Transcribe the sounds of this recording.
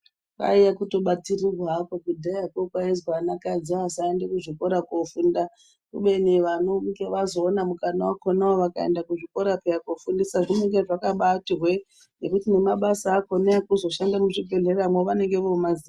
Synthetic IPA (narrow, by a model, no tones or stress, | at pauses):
ʋa̰ijakuto̞ɓatirirwakokudʱajakokwaezwanakad͡ziasaendekuʐikoɾakofunda | kṵɓe̞niʋanoŋɡeʋazo̞ːnamukanawakonaoʋakaḛndakuʐiko̞ɾapejakofundisaʐineŋɡeʐakaɓatirwe | ne̞kutine̞maɓasaːkonakuzo̞ʃandamuʐibʱe̞ɮeramwoʋane̞ŋɡe̞ʋomazia